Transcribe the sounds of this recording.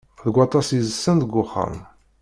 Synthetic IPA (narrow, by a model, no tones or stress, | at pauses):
ðəɡwɑt̪ˤɑsizəsːənd̪əɡʷːʊχːə̰m